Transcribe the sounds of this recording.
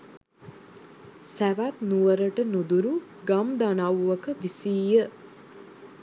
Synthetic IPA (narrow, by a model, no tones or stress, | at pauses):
sæʋat̪nuʋəɾəʈənud̪uɾuɡamd̪anawːɐkəʋisiːjə